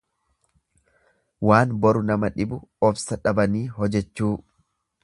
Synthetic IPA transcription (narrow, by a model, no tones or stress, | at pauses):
waːnbɔɾʊnɐmɐᶑɪbʊɔfsɐᶑɐbɐniːɦɔd͡ʒɛt͡ʃːuː